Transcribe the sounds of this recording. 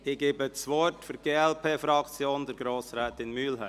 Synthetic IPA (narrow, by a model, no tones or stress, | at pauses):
ɪɡ̥eːbəsʋɔrtfʏɾɡ̥eːɛlpʰeːfɾɑkt͡sjoːnd̪əɾɡɾoːsɾɛːt̪ɪnmyːlɦæ